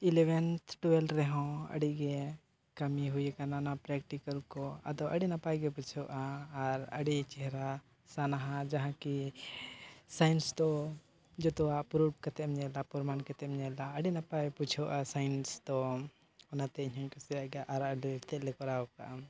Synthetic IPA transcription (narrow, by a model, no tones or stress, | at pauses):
ilɛwɛnt̪ʰʈuɛlɾɛɦɔ̃ə̰ɖiɡɛ | kɐmiɦujɛkananapɾɛkʈikəlkɔad̪ɔʔəɖinapajɡɛput͡ʃʰɔʔaːɾəɖit͡ʃɛɦɾa | sanaɦãd͡ʒaɦãki | sajnsd̪ɔ | d͡ʒɔt̪ɔwaʔpɾup̚kɛt̪ɛmɲɛlapuɾmankɛt̪ɛmɲɛlaəɖinapajput͡ʃʰɔʔasajnsd̪ɔ | ɔnat̪ɛiɲãɲkɔsiɾaɡaʔaɾaɖit̪ɛʔlɛkɔɾaɔka̰ʔa